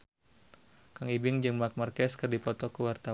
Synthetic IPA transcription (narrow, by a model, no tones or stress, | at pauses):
kaŋibɪŋd͡ʒɨŋmak̚markɛskɨrdipɔt̪ɔkəwart̪a